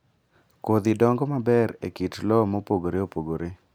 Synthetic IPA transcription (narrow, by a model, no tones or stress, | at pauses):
kod̪ɪdɔŋɡɔmabɛɾḛkitlɔmopoɡoɾeopoɡoɾe